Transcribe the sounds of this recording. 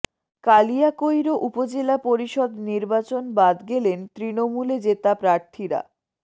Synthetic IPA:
kalijakojɾoʔupod͡ʑelapoɾiʃɔd̪niɾbat͡ɕonbad̪ɡelent̪ɾinomuled͡ʑet̪apɾaɾt̪ʰiɾa̰

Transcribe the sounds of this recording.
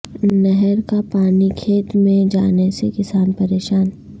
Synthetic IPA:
nɛɦɛɾkapaːnikʰeːt̪mẽd͡ʒaːnesekɪsaːnpɐɾeːʃaːn

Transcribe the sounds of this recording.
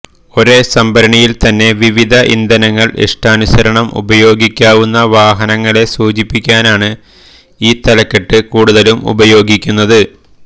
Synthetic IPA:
o̞ɾesɐmbɐɾɐɳijilt̪ɐnːe̞ʋiʋid̪ʱɐʔḭnd̪ɐnɐŋːɐɭḛʂʈaːnusɐɾɐɳɐmṵbɐjo̞ːɡikʲːaːʋunːɐʋaːɦɐnɐŋːɐɭe̞suːt͡ɕipːikʲːaːnaːɳɨ | iːt̪ɐlɐkːeʈːɨkuːɽuðɐlumṵbɐjo̞ːɡikʲːunːɐðɨ

